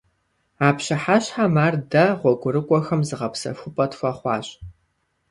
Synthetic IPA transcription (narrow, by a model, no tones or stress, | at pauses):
aːpɕɪħaɕħamaːrdɐʁʷɔɡʷʼʊrɨkʷʼɔxɐmzɨʁɐpsɐ̰fʷʊpʼɐtxʷɐχʷɑːɕʼ